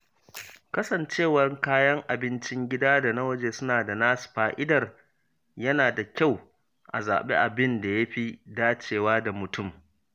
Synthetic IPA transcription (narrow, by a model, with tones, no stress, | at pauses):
kɐ˦sɐ˨nt͡ʃeː˦˨wɐ˦rkaː˦jɐ˦ŋʔa˨bɪ˦nt͡ʃɪ˦ŋɡʲɪ˦daː˦da˨nɐ˦wɐ˦d͡ʒeː˨sʊ˦naː˨da˨naː˦su̥˨ɸaː˦ʔɪ˦dɐ˨r | jɐ˦naː˨da˨kʲa˦˨w | ʔa̰˨za̰ː˨ɓḛ˦ʔa˨bɪ˦nda˨ja˦ɸi˦daː˦t͡ʃeː˨waː˦da˨mʊ˨tʰʊ˦˨m